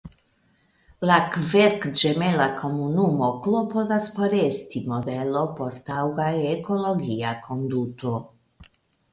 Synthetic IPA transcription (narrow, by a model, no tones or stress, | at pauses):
lakveɾkd͡ʒemelakʰo̞munumo̞klo̞po̞ðaspo̞ɾestimo̞de̞lo̞po̞ɾtawɡaeko̞lo̞ɡiakʰo̞nduto̞